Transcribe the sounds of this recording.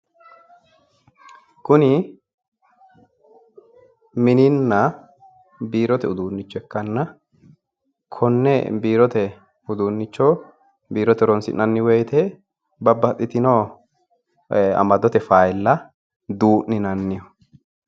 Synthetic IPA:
kʊnɪ | mɪnɪnːɐ | biːɾɔt̪ɛʊd̪uːnːɪt͡ʃːɔɛkːɐnːɐ | kʰɔnːɛbiːɾɔt̪ɛ | ʊd̪uːnːɪt͡ʃːɔ | biːɾɔt̪ɛɾɔnsɪ̰nːɐnːɪwɛjt̪ɛ | bɐbːɐt̪ʼːɪt̪ɪnoː | ɐ̰mɐd̪ɔt̪ɛfaːjɪlːɐ | d̪uːʔnɪnɐnːɪjɔ

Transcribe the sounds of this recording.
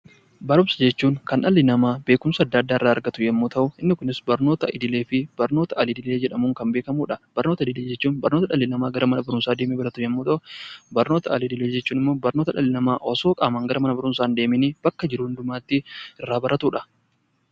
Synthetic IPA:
bɐɾʊmsɐ̥d͡ʒɛt͡ʃːuːŋkɐnᶑɐlːɪnɐmaːbe̞ːkʊmsɐːd̪ːaːd̪ːaːɪrːaːɐɾɡɐt̪ʊjɛmːoːt̪ɐʔʊɪnːɪkʊnɪsbɐɾno̞ːt̪ɐʔɪ̰d̪ɪle̞ːfɪb̥ɐɾno̞ːt̪ɐɐlɪd̪ɪle̞ːd͡ʒɛᶑɐmuːŋkɐmbeːkɐmuːᶑɐb̥ɐɾnoːt̪ɐɪd̪ɪleːd͡ʒɛt͡ʃːuːnbɐɾnoːt̪ɐᶑɐlːɪnɐmaːɡɐɾɐmɐnɐbɐɾʊnsaːd̪eːmibɐɾɐt̪ʊjɛmːoːt̪ɐʔʊbɐɾnoːt̪ɐɐlɪd̪ɪleːd͡ʒɛt͡ʃːuːnɪmːo̞ːbɐɾno̞ːt̪ɐᶑɐlːɪnɐmaːʔɔsoːkʼaːmɐŋɡɐɾɐmɐnɐbɐɾʊnsaːnd̪e̞ːmɪnib̥ɐkːɐd͡ʒɪɾʊhʊnd̪ʊmaːt̪ːɪɪrːaːbɐɾɐt̪uːᶑɐ̥

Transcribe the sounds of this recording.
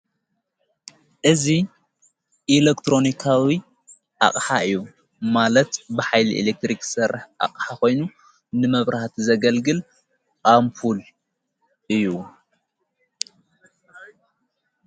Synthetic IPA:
ʔɨzi | ʔilekt̪ɾo̞nikʰawi | ʔa̰χʼħaɨjːu | malɐt̪bɨħajliʔḭlek̚t̪ɾiksɐɾħʔa̰kʼħako̞jnu | nɨmɐβɾaht̪ʰzɐɡɐlɡɨl | kʼampʰul | ʔɨjːu

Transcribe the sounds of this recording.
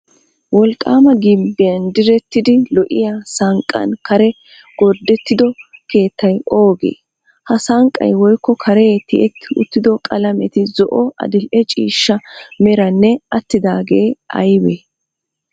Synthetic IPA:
wɔlkʼːaːmɐɡɪmbːɪjɐnd̪ɪɾɛt̪ːɪd̪ɪlɔʔɪ̰jasɐŋkʼːɐ̰nkɐɾɛ | ɡ̥ɔɾd̪ːɛt̪ːɪd̪ɔke̞ːt̪ːɐjʔo̞ːɡḛː | hɐsaŋkʼːɐ̰jwɔjkːɔkʰɐɾɛt̪ːɪʔɛt̪ːɪʊ̰t̪ːɪd̪ɔkʼɐlɐmɛt̪ɪzɔʔɔɐ̰d̪ɪlʔɛt͡ʃʼiːʃːɐmɛɾɐnːɛɐt̪ːɪd̪aːɡeːɐ̰jbeː

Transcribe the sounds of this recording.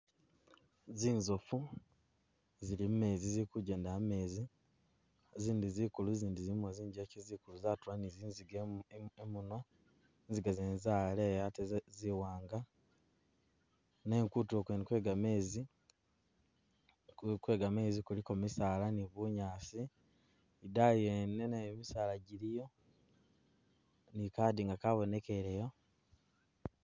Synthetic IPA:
ziːnzofu | zilimume̞ːzizikuɟeːndaame̞ːzi | ziːndizikuluziːndizimoziːɲɟecezikuluzatuwaniziːnziɡeemuna | nziɡazeːnzale̞jateziwaːŋɡa | neːŋkuːtuokwenkwe̞ːɡame̞ːzi | kukwe̞ːɡame̞ːzikulikomisaːlaniβuɲaːsiː | dajenenamisaːlaɟiɾijo̞ | nikaːdiŋɡakaβo̞ne̞ke̞ɾejo̞

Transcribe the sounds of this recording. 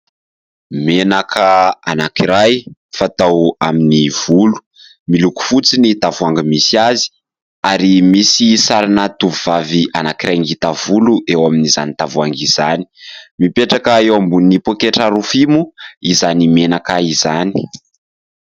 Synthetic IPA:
menakʰəa̰nakiɾajfat̪awa̰miniv̥ulu̥ | miluku̥fut͡sinit̪avuaŋɡəmisiazi̥ | aɾimisisaɾanat̪uvuv̥aviʔanakiɾajŋɡit̪avuluʔewaminiza̰nid̪avuaŋɡiz̥ani̥mipeʈ͡ʂakəewambuninipokeʈ͡ʂaɾufimuizanimenakaizani̥

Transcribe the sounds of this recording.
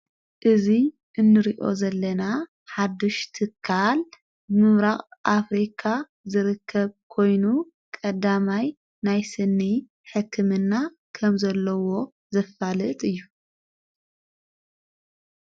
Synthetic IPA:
ʔɨzi | ʔɨnːɨɾiʔo̞̰zɐlːɐna | ħad̪uʃt̪ʰɨkʰːal | bɨmɨmɾaχʼʔafɾikʰa | zɨɾɨkʰːɐβkʰo̞jnu | kʼɐd̪amaj | najsɨnːi | ħɨkʰːɨmɨnːa | kʰɐmzɐlːɐwo̞ | zɐfalɨt̪ʼɨjːu

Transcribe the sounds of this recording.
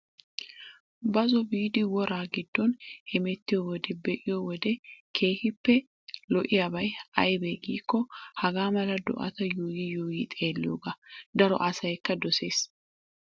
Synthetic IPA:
bɐzɔbiːd̪ɪwɔɾaːɡɪd̪ːɔnʔɛmɛt̪ːɪjɔwɔd̪ɛbɛʔɪjɔwɔd̪ɛkʰe̞ːhɪpːɛ | lɔʔɪjɐbɐjɐjbeːɡiːkːɔhɐɡaːmɐlɐd̪ɔ̰ʔɐ̰t̪ɐjuːjijuːjiːt̪ʼe̞ːlːɪjoːɡɐd̪ɐɾɔ̰ʔɐsɐjkːɐd̪ɔse̞ːs

